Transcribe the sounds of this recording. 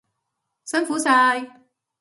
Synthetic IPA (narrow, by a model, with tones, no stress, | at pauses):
sɐ˥nfuː˨˥saː˧j